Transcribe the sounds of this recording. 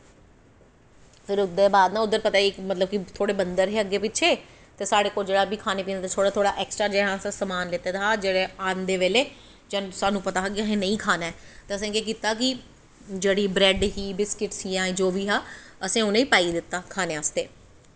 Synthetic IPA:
pʰɪɾʊd̪ebaːd̪nãːʊd̪ːəɾpət̪aːikmət̪ləb̚kɪt̪ʰoːɽeːbənd̪əɾɦeːəɡeːpɪtːʃʰeː | t̪eːsaːɽeːkoːld͡ʒeːɽaːbiːkʰaːnẽːpiːnd̪ːt̪et̪ʰoːɽaːt̪ʰoːɽaʔɛːksʈɾaːd͡ʒeːɦãːsãsəmaːnleːt̪eːt̪ʰaːd͡ʒeːɽeːaːnd̪eːʋeːleː | d͡ʒasaːnũːpət̪aːɦaːk̬iaɦẽːnəĩːkʰaːnaɛːt̪eːəs̬ẽːkeːk̬iːt̪ːaːk̬ɪ | d͡ʒeːɽiːbɾɛːɖɦiːbɪskɪʈsiːãːẽːd͡ʒoːʋiːɦaːəsẽːʊnẽiːpaːid̪ɪt̪ːaːkʰaːneːast̪eː

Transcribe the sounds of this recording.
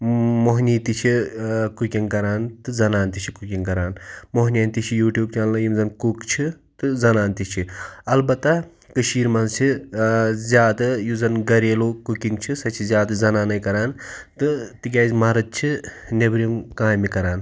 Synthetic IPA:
moɦniːt̪it͡ʃʰikukʲiŋkɐɾaːnt̪ɨzɐnaːnt̪it͡ʃʰikukʲiŋkɐɾaːnmoɦnʲjɐnt̪it͡ʃʰijuːʈjuːb̚t͡ʃallɐjimzɐnkukt͡ʃʰi | t̪ɨzɐnaːnt̪it͡ʃʰiɐlbɐt̪ːɐ | kɨʃiːɾmɐnsʰi | zʲjaːd̪ɐjuzɐnɡɐɾeːloːkukiŋɡt͡ʃʰisɐt͡ʃʰizʲjaːd̪ɐzɐnaːnɐjkɐɾaːnt̪ɨt̪ik̬ʲaːzmɐɾɐt̪̚t͡ʃʰi | nebɾimkaːjmikɐɾaːn

